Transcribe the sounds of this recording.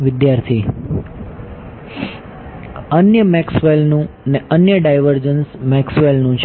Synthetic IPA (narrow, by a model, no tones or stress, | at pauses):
ʋɪd̪jaɾt̪ʰi | ənjəmɛksʋelnũneənjəɖajʋəɾd͡ʒənsmɛksʋelnũt͡ʃʰ